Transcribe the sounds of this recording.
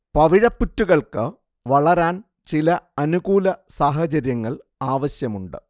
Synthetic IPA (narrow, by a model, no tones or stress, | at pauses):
pɐʋiɻɐpːutːuɣɐɭkɨ | ʋɐɭɐɾaːn | t͡ɕilɐɐnuɣuːlɐsaːɦɐt͡ɕɐɾjɐŋːɐɭ | aːʋɐɕjɐmuɳɖɨ̰